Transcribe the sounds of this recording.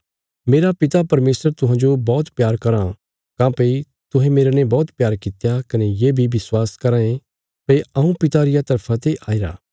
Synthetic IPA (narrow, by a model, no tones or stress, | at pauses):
meːɾapɪt̪apɐɾmeːsəɾt̪ʊɦãːd͡ʒobɔːt̪pjaːɾkɐɾa | kãːpɐi | t̪ʊɦẽmeːɾanɛ̃bɔːt̪pjaːɾkɪt̪jakɐnejeːbʱibɪswaːskɐɾãːẽ | peiɐũpɪt̪aɾɪjat̪ɐɾpʰat̪eʔaːiɾa̰ː